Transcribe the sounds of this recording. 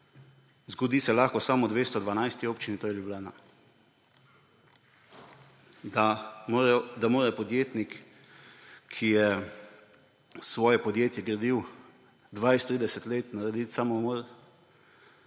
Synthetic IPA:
zɡɔd̪iːsɛlaːxkɔsamɔd̪ʋeːst̪ɔd̪ʋanajst̪ioːpt͡ʃinit̪oːjɛljublaːna | d̪amoːɾɛpɔd̪jeːt̪nik | ijɛ | sʋɔːjɛpɔd̪jeːt̪jɛɡɾad̪iw | d̪ʋajst̪ɾiːd̪ɛsɛt̪leːt̪naɾɛd̪it̪samɔmɔɾ

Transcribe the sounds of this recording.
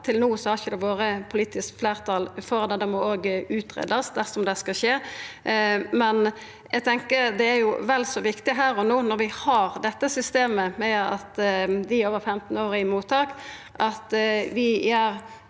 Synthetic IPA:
t̪ʰɪlnuːsɔhɑɾçəd̪ɛʋoːɾəpʰʊliːt̪ɪskfleːʁt̪ʰɑːlfɔʁd̪ɛd̪ɛmɔoːɡʉːt̪ʁḛːd̪ɑsd̪æʁsɔmd̪ɛskɑʃeː | mɛn | jɛɪɡt̪ʰɛŋkəɾd̪ɛæɾjʊʋɛlsɔʋɪkt̪ɪɦæːɾɔnuːnɔɾʋɪhɑʁd̪ɛt̪ːəsʏst̪eːməmɛɑ̰t̪d̪ɪoːʋəɾfɛmt̪n̩oːɾəɪmuːt̪ʰɑːk | ʔɑt̪ʋɪæɾ

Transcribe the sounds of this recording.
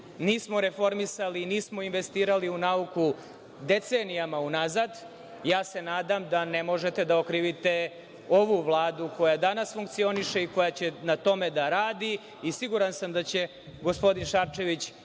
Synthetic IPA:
niːsmo̞ɾe̞fo̞ɾmisaliniːsmo̞inʋe̞st̪iːɾaliunauku | d̪e̞t̪seːnijamaunazad̪ | jaːse̞naːd̪amd̪anemo̞ʒet̪e̞d̪aokɾiːʋit̪e̞ | o̞ʋuʋlˠaːd̪uko̞jad̪anasfuŋk̚t̪sio̞niʃe̞iko̞jat͡ɕenat̪o̞med̪aɾaːd̪iː | siɡuɾansamd̪at͡ɕe̞ | ɡo̞spo̞d̪inʃaɾt͡ʃe̞ʋit͡ɕ

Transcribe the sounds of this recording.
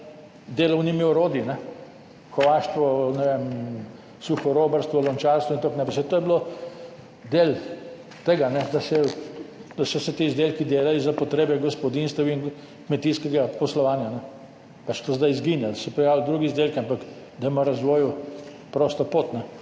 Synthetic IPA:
d̪eːlɐwnimiɔɾoːd̪inɛ | xɔʋaʃt̪ʋɔnɛʋem | suxɔɾoːbɐɾst̪ʋɔlɔnt͡ʃaːɾst̪ʋɔint̪oːknɛpsɛt̪oːjɛblo | d̪eːl | t̪eɡanɛd̪asɛ | d̪̥asɔsɛt̪izd̪eːlkid̪eːlalizapɔt̪ɾeːbɛɡɔspɔd̪inst̪ɛwin | kmɛt̪iskɛɡapɔslɔʋaːnjanɛ | pat͡ʃt̪ozd̪ajzɡinjalsɛpɾɛjaːwld̪ɾuːɡizd̪eːlkiampak | d̪ajɛmaɾɐzʋɔːju | pɾoːst̪ɔpoːt̪nɛ

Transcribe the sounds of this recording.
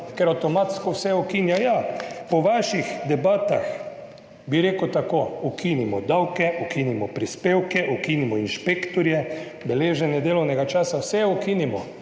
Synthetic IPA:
kɛɾawt̪ɔmat̪skɔwsɛukinjɔjapɔʋaʃixd̪ɛbaːt̪ax | biɾeːkəwt̪akoukʰiːnimɔd̪awkɛʔukinimɔpɾispeːwkɛʔukinimɔinʃpeːkt̪ɔɾjɛbɛleːʒɛnjɛd̪eːlɔwnɛɡat͡ʃaːsawsɛɛukiːnimɔ

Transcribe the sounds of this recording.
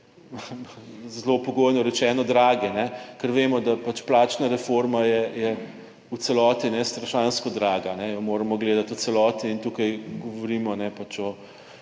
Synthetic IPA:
zlopɔɡoːjnɔɾɛt͡ʃɛːnɔd̪ɾaːɡɛnɛkəɾʋeːmɔd̪apat͡ʃplaːt͡ʃnaɾɛfoɾmajɛjɛ | ut̪sɛlɔːt̪inɛst̪ɾɐʃanskɔd̪ɾaːɡanɛjɔmoːɾɐmɔɡleːd̪at̪usɛlɔːt̪iːnt̪uːkajɡɔʋɔɾiːmɔnɛpat͡ʃɔ

